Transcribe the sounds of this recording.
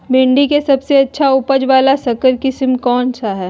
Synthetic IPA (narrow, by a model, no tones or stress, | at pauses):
bɪ̃ɳɖikesɐbseɐtːʃʰaʊpəd͡ʒʋaːlasɐkəɾkɪsɪmkɔːnt͡ʃʰaɦɛː